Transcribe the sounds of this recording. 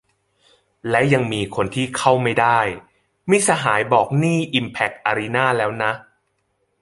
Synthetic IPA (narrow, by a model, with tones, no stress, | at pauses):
lɛ˦˥ja˧ŋmiː˧kʰo˧nt̪ʰiː˥˩kʰa˥˩wma˥˩jdaː˥˩j | miː˧˩sa˧ɦaː˩˦jbɔː˨˩k̚niː˥˩ʔi˧mpʰɛ˨˦˩k̚ʔa˧ɾi˦˥naː˥˩lɛː˦˥wna˦˥ʔ